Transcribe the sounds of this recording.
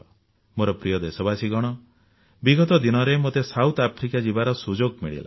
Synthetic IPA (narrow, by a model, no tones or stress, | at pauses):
moɾɔpɾijɔd̪esɔbasiɡɔɽ̃ɔ | biɡɔt̪ɔd̪inɔɾemot̪esawt̪ʰapʰɾikad͡ʒibaɾɔsud͡ʒoɡmiɭḭla̰